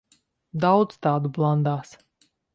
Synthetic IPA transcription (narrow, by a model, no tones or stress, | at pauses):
d̪awd̪zt̪aːd̪ublˠand̪aːs